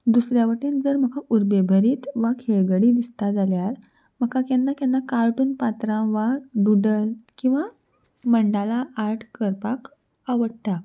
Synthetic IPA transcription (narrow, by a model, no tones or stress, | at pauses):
d̪usɾjaʋəʈiːnd͡zəɾm̤əkʰaʔuɾbebʱəɾiːt̪ʋakʰeɭɡəɽiːd̪ist̪ad͡zaljaɾ | m̤əkakanːakjãnːakaɾʈuːnpat̪ɾãʋaɾɖuɖəlkĩw̃ʋa | məɳɖalaːɾʈʰkəɾpak | aʋəɽt̪a